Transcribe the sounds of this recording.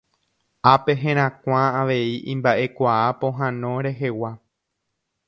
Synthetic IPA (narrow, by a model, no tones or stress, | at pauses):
ape̞ɦẽ̞ɾ̃ãkʷãaʋe̞iʔḭ̃mbaʔe̞kʷaapõ̞ɦãnõ̞ɾe̞ɦe̞wa